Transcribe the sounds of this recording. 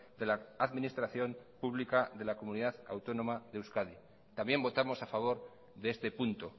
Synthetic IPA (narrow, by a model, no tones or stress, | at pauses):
d̪e̞laaðmĩnist̪ɾaθjo̞mpuβlikaðe̞lako̞muniðaðawt̪o̞no̞maðewskaði | t̪ambje̞mbo̞t̪amo̞safaβ̞o̞ɾ | ðeest̪e̞punt̪o